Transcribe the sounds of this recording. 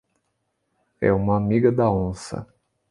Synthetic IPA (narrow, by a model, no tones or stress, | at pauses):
ɛ̰ũmɐamiɡɐd̪ɐõsɐ̰